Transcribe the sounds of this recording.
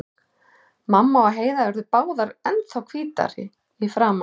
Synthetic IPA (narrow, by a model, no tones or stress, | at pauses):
mamːaɔɦeːjðavɛɾðʏpaːwðaɾɛnθawkʰviːt̪a̰ɾɪ̰ | ifɾaːma